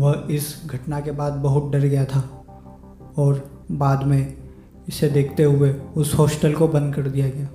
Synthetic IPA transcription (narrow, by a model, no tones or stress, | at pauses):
ʋɐɦɪsɡʱɐʈnakebaːd̪̚bɐɦʊt̪̚ɖɐɾɡɐjat̪ʰa | ɔːɾ | baːd̪mẽ | ɪsed̪eːkʰt̪eɦʊeʊshoːsʈəlkobɐ̃nd̪̚kɐɾd̪ijaɡɐjaː